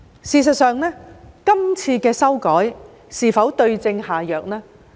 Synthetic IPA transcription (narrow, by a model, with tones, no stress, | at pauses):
siː˨˧s̬ɐ˨t̚sœː˨ŋnɛː˥kɐ˥mt͡sʰiː˧kɛː˧sɐ˥wkɔː˨˥j | siː˨˩fɐ˨˥wt̪ɵ˧ɥt͡sɪ˧ŋhaː˨jœː˨˩k̚nɛː˥